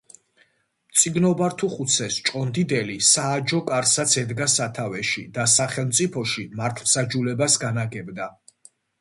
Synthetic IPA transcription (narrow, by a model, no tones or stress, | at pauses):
mt̪sʼiɡnɔbaɾt̪ʰuχut̪sʰɛst͡ʃʼɔnd̪id̪ɛlisaːd͡ʒɔkʼaɾsat̪sʰɛd̪ɡasat̪ʰavɛʃid̪asaχɛlˠmt̪sʼipʰɔʃimaɾt̪ʰvsad͡ʒulɛbasɡanaɡɛbd̪a